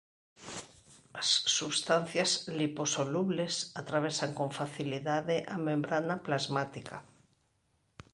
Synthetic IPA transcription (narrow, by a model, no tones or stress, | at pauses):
asːuβst̪an̟θjasliposoluβlesat̪ɾaβ̞esaŋkoɱfaθiliðaðeʔamẽmbɾanaplazmat̪ikʰa̰